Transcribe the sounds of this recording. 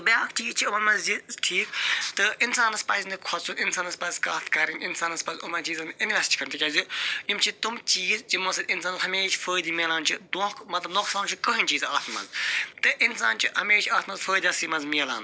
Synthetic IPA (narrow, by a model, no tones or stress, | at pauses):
bjaːkt͡ʃiːzt͡ʃʰiɐmɐnmɐzziʈʰiːkt̪ɨinsaːnɐspɐznikʰɔsʰunɪnsaːnɐspɐzkaːt̪ʰkɐɾininsaːnɐspɐzumɐnt͡ʃiːzɐniinʋʲɛst͡ʃʰkɐɾmt̪ikʲaːzijimt͡ʃʰit̪umt͡ʃiːzd͡ʒimɐsɐd̪insaːnɐzhɐmeːt͡ʃʰfəːd̪iːmiːlaːnt͡ʃʰid̪õːkmɐt̪lɐbnoːksaːnt͡ʃʰikəɦinʲt͡ʃiːzaːt̪ʰmɐ̰nzt̪ɨʔinsa̰ːnt͡ʃʰihɐmeːt͡ʃʰaːt̪ʰmɐnzfəːjd̪aːsimɐnzmiːla̰ːn